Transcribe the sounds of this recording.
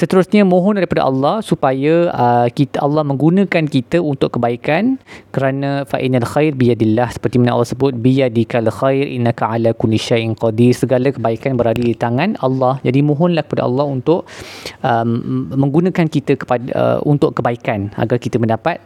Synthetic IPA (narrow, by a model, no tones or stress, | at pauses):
sət̪əɾʊsɲãmõɦɔnaɾipada̰ʔɑ̰lːɑhsupajaəkit̪əʔɑlːɑhmə̃ŋɡunə̃kankit̪əunt̪ʊʔkəbaikankəɾanãfa̰ʔinalxajrbijadilːahsə̥pərt̪imanʔa̰lːɑhsəbʊt̪̚bijadikalxajɾʔḭnːakaʕalakʊliʃajʔɪnqɑdirsəɡalakəbaikanbəɾalidit̪aŋãnɑlːɑhd͡ʒadimõɦɔnlahkə̥pada̰ʔɑ̰lːɑhunt̪ʊʔəmmə̃ŋɡunãkankit̪əkə̥paə̰ṵnt̪ʊʔkəbaikana̰ɡarkit̪əmə̃ndapat̪̚